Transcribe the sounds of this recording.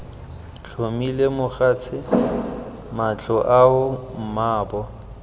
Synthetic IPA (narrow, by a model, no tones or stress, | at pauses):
t͡ɬʰomilemʊχat͡sʰɪ | mat͡ɬʰʼɔʔaʊm̩maːbɔ